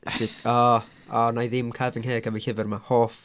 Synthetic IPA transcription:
sɪtʰɔ | ɔnajðɪmkʰavɪŋɦeːɡəvɪɬɪvərmahoːf

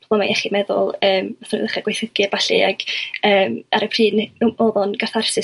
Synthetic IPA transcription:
amajɛχimɛðʊ̰lˠəːmaθʊnḭðəχaɡwejθəɡiabaɬḭaɡ̥əːmaɾəpʰr̥iːnoːðɔnɡarθarsɪ

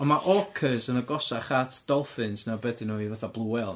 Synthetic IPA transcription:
ɔnmaʔɔkʰəzənəɡɔsaχatʰd̥ɔlˠfɪnsnabədɪnɔivaθablˠuɛlˠ

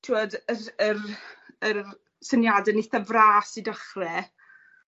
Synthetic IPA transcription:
tʰiwɔdəərər | sənjadɛnɪθəvraːsidəχrɛ

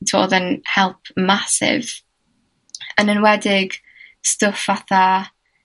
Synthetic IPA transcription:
tʰo̰ːðənhɛlˠp̚ʰmasɪ̰v | ənənwɛdɪɡ | stʊfaθa

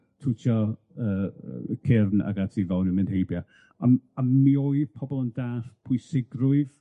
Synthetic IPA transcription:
tʰutʰɔ | əːkʰɪrna̰ɡatʰivawnəmɪnhejbja | amammioɨðpʰɔbɔlˠəndaːɬpʰʊjsɪɡrʊɨv

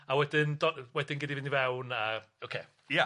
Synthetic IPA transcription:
awɛdɪndɔwɛdɪnɡɪdivɪnivɛwna | okʰeː | ja

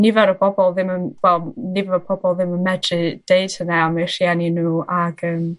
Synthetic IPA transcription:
nɪvaɾəbʰɔbɔlˠðɪmənwɛlˠnɪvavɔbʰɔbɔlˠðɪmənmɛdrɨd̥eɨd̥hənaamerianinuːʔaɡəːm

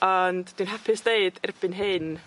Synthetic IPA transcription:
ɔndd̥winhɛpʰɪsd̥eɨd̥ɪrb̥ɪnɦɪn

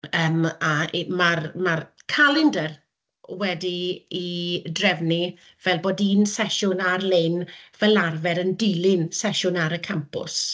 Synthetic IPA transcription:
əːmamarmarkʰalˠɪndər | wɛdiidrɛvni | vɛlˠboːdiːnsɛʃʊnarlenvɛlˠarvɛɾəndɪlɪnsɛʃʊnaɾəkʰampʊ̰s

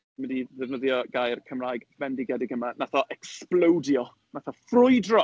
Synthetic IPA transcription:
mədiðɛvnəðjɔɡ̥ajrkʰəmraːjɡvbɛndiɡɛdɪɡəmanaθɔʔɛksplˠowdjɔ | naθɔfrʊjdrɔ

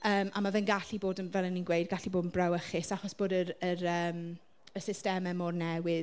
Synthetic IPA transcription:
əːma̰mavɛnɡaɬiboːdənvɛlˠənːinɡwejd̚ɡaɬiboːdənbrawəχɪsaχɔsb̥oːdəɾəɾəːm | əsɪstɛmɛmornɛwɪ

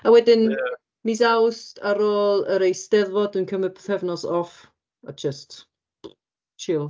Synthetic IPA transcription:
awɛdɪn | mizawstʰaɾoːlˠəɾejsd̥ɛðvɔdənkʰəməpθɛvnɔsɔf | ad͡ʒəst | t͡ʃʰɪlˠ

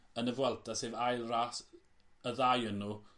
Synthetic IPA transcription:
ənəvwɛlˠdaseːvajlˠraːs | əðajənu

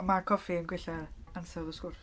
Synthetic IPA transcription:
makʰɔfiənɡwɪɬɛðansɛðɔskʊrf

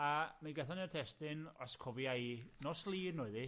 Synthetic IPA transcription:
amaɡəθanirtʰɛstɪnɔskʰɔvjajnɔslˠiːrnʊɨði

